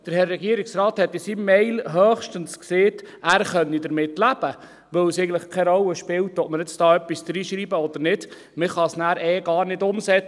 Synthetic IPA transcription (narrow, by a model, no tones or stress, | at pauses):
d̥əɾhɛrːɛɡiəɾɪksɾɑːthɛt̪ːɪsimːɛɪlɦœːχʃtənskseːt | æːɾχœnːidəɾmɪtlæb̥ə | ʋɵwsɛɪɡəntləχkʰɛɾɔlːəʃpɪwtɔp̚məɾɪt͡sd̥ɑːœpːisd̥̪ɾiːʃɾiːbəɔd̪əɾnɪd̥ | mɪχɑsnæːɾɛːɡɑːɾnɪdʊmsɛt͡s